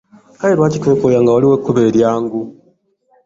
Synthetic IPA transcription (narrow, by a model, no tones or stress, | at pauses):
kajelwaːcikekojaŋɡawaliwekːuβeɾjaːŋɡu